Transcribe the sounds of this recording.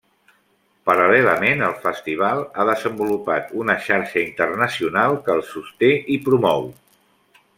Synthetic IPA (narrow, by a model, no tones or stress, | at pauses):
pəɾəlɛləmenəlˠfəst̪iβ̞alˠaðəzəmbulupat̪unəʃaɾʃəint̪ərnəsiunalˠkəːlˠsust̪eʔipɾumɔw